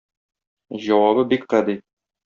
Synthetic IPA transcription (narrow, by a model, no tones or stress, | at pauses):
ʑɒwɑbɤbikqæd̪i